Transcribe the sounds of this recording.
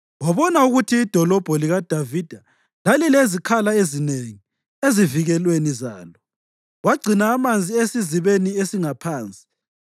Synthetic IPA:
waβɔnauɣutʰiːd̥ʱɔlɔb̥ʱɔliɣad̥ʱavid̥ʱa | lalilezikʰalaezineŋi | eziviɣɛlweniza̰ːlɔ | waɡ͡ǀʱinaːmand͡zʱiesiziβeniesiŋapʰaːnt͡sʼi̥

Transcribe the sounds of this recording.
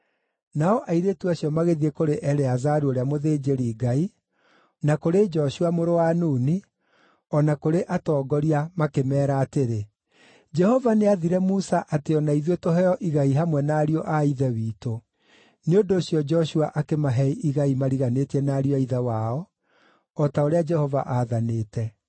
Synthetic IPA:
naɔʔaiɾetuaɕjɔmaɣeðiekoɾeʔɛɾeazaɾuoɾeamoðeːd͡ʒeɾiːɡai | nakoɾed͡ʒɔʃuamoɾowanuːni | ɔnakoɾeʔatɔːɡɔɾiamakemɛːɾaːteɾe | d͡ʒɛhɔvaneaðiɾɛmusaʔateɔnaiðwetoɦɛɔʔiɣaiɦamwɛnaːɾiɔʔaiðɛwiːto | neondoːɕjɔd͡ʒɔʃuaʔakemaɦɛiʔiɣaimaɾiɣanetiɛnaːɾiɔaiðawaɔ | ɔtaoɾead͡ʒɛhɔva̰ʔaːðaneːtɛ

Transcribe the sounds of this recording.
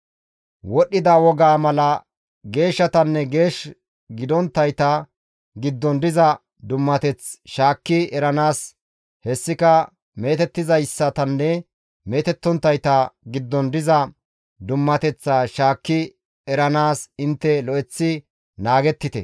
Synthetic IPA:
wɔɗːɪd̪aːwɔɡaːmɐlɐ | ɡe̞ːʃːɐt̪ɐnːɛɡe̞ːʃ | ɡɪd̪ɔnt̪ːɐjt̪ɐ | ɡɪd̪ːɔnd̪ɪzɐ | d̪ʊmːɐt̪ɛt͡sʃaːkːɪɛɾɐnaːs | hɛsːɪkɐ | me̞ːt̪ɛt̪ːɪzɐjsːɐt̪ɐnːɛ | me̞ːt̪ɛt̪ːɔnt̪ːɐjt̪ɐɡɪd̪ːɔnd̪ɪzɐ | d̪ʊmːɐt̪ɛt͡sːaːʃaːkːɪ | ɛɾɐnaːsɪnt̪ːɛlɔʔɛt͡sːɪ | naːɡɛt̪ːɪt̪ɛ̰

